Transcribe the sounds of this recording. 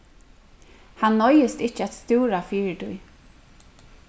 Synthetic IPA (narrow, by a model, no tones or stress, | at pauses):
hanːɔjɪst̪ɪht͡ʃːəat̪st̪uːɾafiːɹd̪ʊ̰j